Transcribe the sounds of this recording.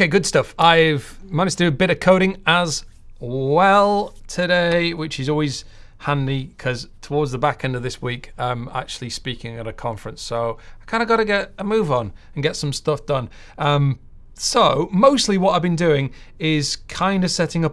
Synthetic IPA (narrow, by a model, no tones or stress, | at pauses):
keɪɡʊd̥stʌfaɪvmanɪdd͡ʒ̥tʰɨdɨːbɪɾɨ̥kʰoʊɾɪ̃ŋəz | wɛlˠtʰɨdeɪwɪt͡ʃɨzɔlˠwiz̥ | hãnikʰʌz̥tʰəwɔɹdzðəbakɛ̃ndəvðɪswiˑkʌ̃ma̰k̚t͡ʃʉl̩ˠispikɪ̃ŋə̰̃nɨkʰɑ̃ɱfɹə̃nsoʊaɪkʰãɪ̃nəɡɑɾəɡɛɾəmʉːvn̩ | ə̃n̩ɡɛtsʌ̃mstʌfd̥ʌ̃n | ʌ̃m | soʊmoʊstˡliwʌɾaɪvbɨ̃ndʉɪ̃ŋ | ɪz̥kʰãɪ̃ndəv̥sɛɾɪ̃ŋʌ